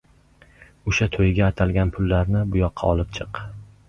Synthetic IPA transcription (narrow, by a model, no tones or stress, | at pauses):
ʊʃat̪ʰojɡʲaːt̪ʰalɡʲanpʰʊlˠːaɾnɪbʊjɒqʰːɑɒlɪp̚t͡ʃʰɨq